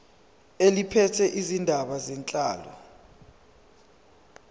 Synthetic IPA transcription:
elipʰɛtʰɛʔizindʱaɓazɛnt͡ɬʼa̰ːlɔ̰

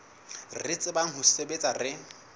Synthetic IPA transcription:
rɪt͡sʼɪbaŋ̩ɦʊsebet͡sʼarɪ

